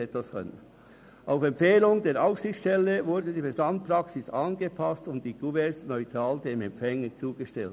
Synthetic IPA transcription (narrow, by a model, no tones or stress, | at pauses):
ɛtvaskʰœ̰nə | ʔa̰ʊfɛmpfeːlʊŋdeːɐɾʔaʊfsɪçt͡sʃtɛləvʊɾdədiːfɛɾzɑnt̚prɑksɪsɑnɡəpʰɑstʊmd̥iːɡ̥uvɛsnɔʏtʁ̥aːldeːmɛmpfɛŋət͡suːɡəʃtɛlt